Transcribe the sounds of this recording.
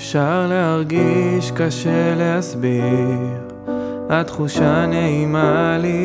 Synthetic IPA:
fʃaʁle̞haʁɡiʃkaʃele̞ɦasbiʁ | at̪χuʃaneimali

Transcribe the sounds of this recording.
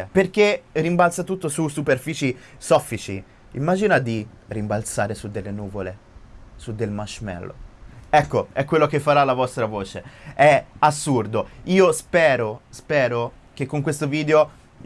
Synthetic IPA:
perk̟erimbalt̪sat̪ut̪ːosusuperfiːt͡ʃisɔfːit͡ʃḭ | imːaːd͡ʒinad̪irimbalt̪saːɾesud̪ːelːenuːvole | sud̪ːelmaʃmɛ̰lːʔo̰ɛkːoɛkːwelːokefːaɾalːavɔst̪ɾavoːt͡ʃeɛasːurd̪oiːospɛːɾospɛːɾo | k̟ekːoŋkwest̪oviːd̪eo

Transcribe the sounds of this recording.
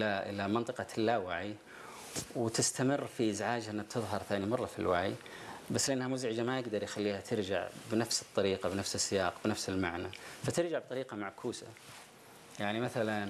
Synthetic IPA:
aʔɪ̰lamɑnt̪ˤɨqɑt̪ʰɪlːaːwaʕi | wɪt̪ɪst̪amɪrːfiʔɪzʕaːd͡ʒʔɪnːak̚t̪ʰɨðˤɦɑɾˤθaːnimɑrˤːɑfḭlwaʕḭ | basːlʔanːhamʊzʕɪd͡ʒamajɪɡd̪ɑɾˤjxalːiːhat̪ʰɪɾd͡ʒa̰ʕbɪnafsɨ̥t̪ˤːɑɾiːqabɪnafsɪsːɪjɑːqbɪnafsɪlmaʕnafat̪ɪɾd͡ʒaʕb̚t̪ˤɑɾiːqɑmaʕkʰuːsa̰ | jaʕnimaθalan

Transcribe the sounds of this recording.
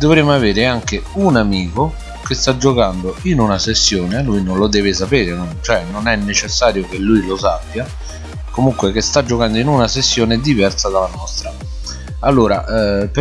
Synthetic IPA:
d̪ovɾemoaveːɾeaŋk̟eunamiːko | kest̪ad͡ʒokand̪oinunasesːjoːnelujnonlod̪ɛːves̬apeːɾenont͡ʃoɛnonɛnːet͡ʃesːaːɾjokelːujlosapːja | komuŋkwekest̪ad͡ʒːokand̪oinunasesːjoːned̪ivɛrsad̪alanɔst̪ɾa | alːoːɾa̰p

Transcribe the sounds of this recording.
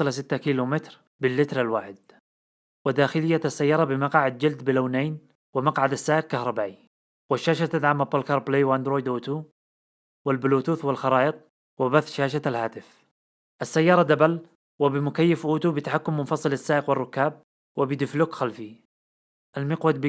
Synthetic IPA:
ɨlas̬ɪt̪ːakiːlumɪt̪ɾ | bɪlːɪt̪ɾalwaːħɪd̪̚ | wɪd̪aːxɪlɪjːaasːajːɑːɾˤɑbɪmɑqɑːʕɪd̪̚d͡ʒɪld̪bɪlaːneːn | wɪmɑqʕad̪asːaːʔɪq̚kahɾˤɑbaːʔi | wɪʃːaːʃat̪ad̪ʕaːmapːɑlkɑɾˤbleːwʔand̪ɾoːjd̪ʔuːt̪u | wɪlbɪluːt̪uːθwɪlxɑɾˤɑːʔɪt̪̚ˤ | wɪbaθʃaːʃaalhaːt̪ɪf | ʔasːajːɑːɾˤɑd̪abal | wɪbɪmʊkajːɪfʔuːt̪ubɪt̪aħakːʊmːʊnfɑsˤɨlasːaːʔɪqwɪrˤːʊkːaːb̚ | wɪbɪd̪ɪflʊkxalfi | ʔalmɪqwad̪̚b

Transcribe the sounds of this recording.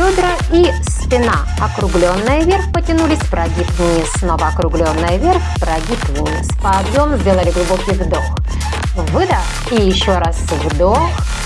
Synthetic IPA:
pʲod̪ɾə | ispʲɪna | ɐkɾʊɡlʲo̞nːɨjəvʲerfpətʲɪnulʲɪsʲpɾɐɡʲipnʲɪsno̞vəɐkɾʊɡlʲo̞nːɨjəvʲerfpɾɐɡʲipvʲnʲispɐːbjomzʲdʲe̞lˠəlʲɪɡlˠʊbo̞kʲɪjvd̪o̞x | vɨd̪əx | ijɪɕːoɾasvd̪ox

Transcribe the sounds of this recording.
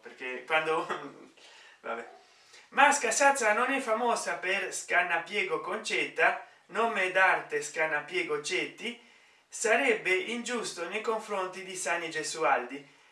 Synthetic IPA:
peɾkekwand̪o | va̰bɛ̰ | maskasat̪sanonɛfːamɔːsapeɾskanːapjeːɡokont͡ʃɛt̪ːa | noːmed̪aɾt̪eskanːapjeːɡot͡ʃɛt̪ːi | saɾɛbːeind͡ʒust̪onejkoɱfɾont̪id̪isanːid͡ʒesuald̪i

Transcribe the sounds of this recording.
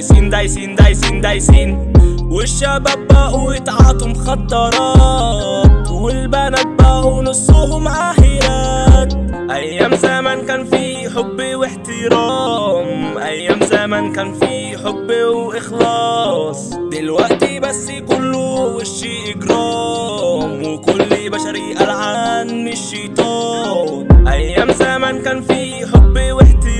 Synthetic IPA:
siːnd̪ajsiːnd̪ajsiːnd̪ajsiːnwɪʃːababaːʔwjɪt̪ʕɑːt̪hʊmxɑt̪ˤːɑɾˤɑː | t̪wɪlbænat̪̚baːʔwnɑsˤːuːhʊmʕaħɪlaːt̪ʔæjːæmzaːmankæːnfi | ħʊbːwɪħt̪ɪɾˤæːmʔæjːæːmzaːmankæːnfiː | ħobːwʔɪxlɑːsˤd̪ɪlwaʔt̪ibasːjkʊlːʊwɪʃːeːʔɪɡɾˤɑː | mwɪkʊlːbæʃaɾiʔalʕaːnːɪʃːejt̪ˤɑː | ʔæjːæmzaːmankæːnfiħobːwɪħt̪ɪ

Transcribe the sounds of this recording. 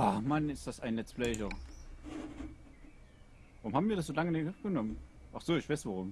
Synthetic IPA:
ʔamanɪstd̥asaɪnlɛt͡sflɛːç̬ɐ | vaʁʊmhaːbm̩viːɐdasz̥oːlaŋənɪɡ̥ənɔmənʔaχz̥oːɪçv̥aɪsv̥aʁ̞ʊm

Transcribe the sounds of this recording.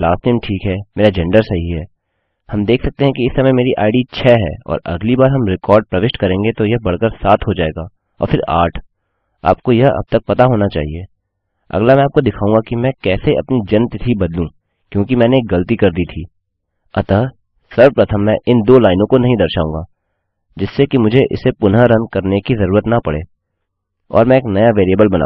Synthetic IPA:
laːsʈeːmʈʰiːkɦɛːmeːɾad͡ʒɛ̃ɳɖəɾsɐɦiɦɛː | hɐmd̪eːkʰsɐk̚t̪eɦɛ̃kiɪsːɐməjmeːɾiʔa̰ːɪɖit͡ʃʰɛːɦɛ̰ːɔ̰ːɾɐ̰ɡlibaːɾɦɐmɾɪkɔːɾɖ̚pɾɐʋɪʃʈkɐɾẽːŋɡet̪ojɐɦbɐɽ̤kəɾsaːt̪ʰɦod͡ʒaːḛːɡaː | ɔ̰ːɾfɪɾa̰ːʈʰ | a̰ːp̚kojɐɦɐ̰b̚t̪ɐk̚pɐt̪aɦoːnat͡ʃa̰ːɦieː | ɐ̰ɡlamɛ̃aːp̚kod̪ɪkʰaːũŋɡakimɛ̃kɛːseʔɐ̰pnid͡ʒɐnt̪t̪ʰibɐd̪lũ | kjõːkimɛ̃ːneːk̚ɡɐlt̪ikɐɾd̪iːt̪ʰiː | ɐt̪ə | sɐɾpɾɐt̪ʰəmːɛ̃ʔɪnd̪oːlaːɪnõkonɐɦĩd̪ɐɾʃaːũːŋɡaː | d͡ʒɪsːekimʊd͡ʒʱeʔɪ̰sːepʊnɦaɾɐ̃nkɐɾnekizɐɾuːɾət̪nɐpɐɽḛː | ɔ̰ːɾmɛ̃eːknɐjaʋeːɾiəbəlbɐna̰

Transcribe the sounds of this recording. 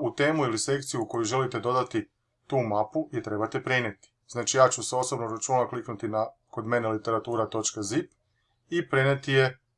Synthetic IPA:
ut̪e̞ːmuilise̞kt̪sijuːko̞juʒe̞lit̪e̞d̪o̞d̪at̪i | t̪uːmapuje̞t̪ɾe̞bat̪e̞pɾene̞t̪i̥znaːt͡ʃijaːt͡ɕuseo̞sobnoɾat͡ʃuːnakliknut̪inako̞d̪me̞ne̞lit̪e̞ɾat̪uːɾat̪o̞t͡ʃkazip | ipɾenet̪ije̞

